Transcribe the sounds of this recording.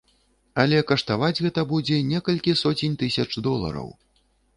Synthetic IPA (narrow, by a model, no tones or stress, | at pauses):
ɐlʲɛkɐʂt̪avad͡zʲɣɛt̪ɐbud͡zʲɛnʲɛkɐlʲkʲisɔt͡sʲenʲt̪ɨsʲɐt͡ʂd̪ɔlˠɐ̰ɾɐ̰w